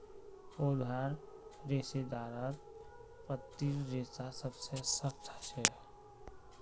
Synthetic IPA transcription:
oːd̪ʱaːɾ | ɾeːsed̪aːɾat̪ | pɾət̪ːiɾɾeːsasəbsesəxt̪ʰəʃɛ

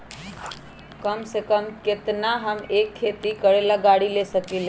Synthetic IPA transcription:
kəmsekəmket̪naɦəmekʰːet̪ikəɽelaɡaɽilesəkel

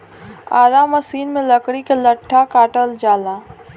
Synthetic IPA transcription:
aːɾaːmɐsiːnmẽlɐkɽikelɐʈʰːakaːʈəld͡ʒaːlaː

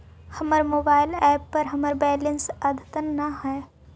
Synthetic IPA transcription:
xɐməɾmoːbaːɪlɛːpːɐɾɦɐməɾbɛːlə̃nsɐd̪ʱt̪ənːɐɦɛː

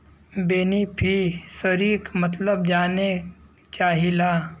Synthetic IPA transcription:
beːnipʰisəɾiːkmɐt̪ləbd͡ʒaːne | t͡ʃaːɦilaː

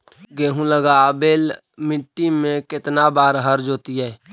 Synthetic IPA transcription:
ɡeːɦũləɡabeːl | mɪʈːimẽkɪt̪nabaːɾɦəɾd͡ʒoːt̪iɦɛː

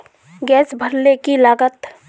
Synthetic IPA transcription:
ɡɛːsbʱəɾlekilaːɡət̪

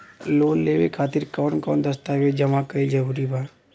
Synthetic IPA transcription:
loːnleːʋḛkʰaːt̪iɾkɔːnkɔːnd̪əst̪aɦʋed͡ʒəmakəid͡ʒəɾuːɾibʱaː

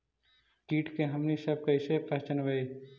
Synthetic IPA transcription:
kiːʈkeɦɐmnisɐb̚kɐɪsepɐt͡ʃənʋɐe

